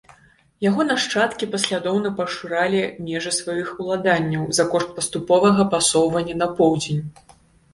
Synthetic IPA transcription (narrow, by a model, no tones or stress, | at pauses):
jaɣɔnaʂt͡ʂat̪kʲipɐsʲlʲad̪ɔwnɐpɐʂɨɾalʲimʲɛʐɐsvajixulˠad̪anʲːɐwzɐkɔʂt̪̚pɐst̪upɔvɐɣɐpasɔwvɐnʲːɐnɐpɔwd͡zʲenʲ